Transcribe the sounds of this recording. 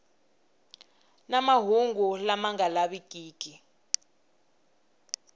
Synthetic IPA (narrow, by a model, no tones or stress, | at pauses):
namaɦuŋɡulamaŋalaβikʼiːkʼi